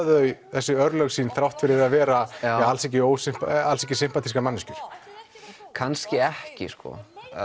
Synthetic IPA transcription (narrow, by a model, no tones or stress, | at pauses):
ðœɥθɛsːʏœɾlœɣsiːnθɾawht̪fɪɾɪɾaðvɛːɾaalsɛc̬ɪoːwsɪm̥palsɛcɪsɪm̥pat̪ʰiskamanːɪscʏɾ̥ | kʰanscɪɛhcɪ̰skɔ̰